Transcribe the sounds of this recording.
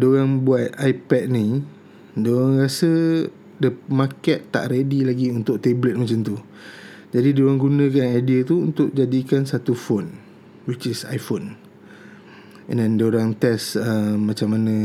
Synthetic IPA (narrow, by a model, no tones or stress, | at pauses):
doɾaŋbuat̪̚ajpɛt̪̚ni | doɾaŋɾasə | dəmakɛt̪ːa̰ʔɾedilaɡiunt̪ʊk̚t̪eblɛt̪̚mat͡ʃamt̪u | d͡ʒadidoɾaŋɡunə̃kanajdiat̪uunt̪ʊʔ̚d͡ʒadikansat̪ufon | wit͡ʃisa̰jfon | ɛ̰̃ndɛndəoɾaŋt̪ɛsəːat͡ʃamːanã